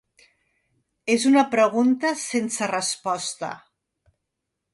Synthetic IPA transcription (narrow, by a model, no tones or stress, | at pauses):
ezunɐpɾəɣunt̪əsensərəspɔst̪ə̰